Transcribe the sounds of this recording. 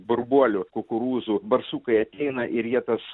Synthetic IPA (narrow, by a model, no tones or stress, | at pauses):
bʊrbuɔlʲʊkʊkʊɾuːzubɐrsuːkɐɪɐt̪ʲɛɪnɐʔɪɾjiɛt̪ɐs